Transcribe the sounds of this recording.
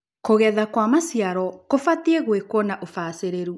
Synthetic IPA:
koɣɛðakwamasiaɾɔkofatieɣwekwɔnaʔofaseɾeɾu

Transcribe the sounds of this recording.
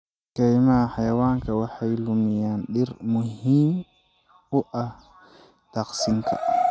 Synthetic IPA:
kɛjmɐħajɐwaːŋkʰɐwaħajlʊmɪjaːnɗɪɾmʊhim | ʊʔɐh | t̪aqsɪŋkʰɐ̰

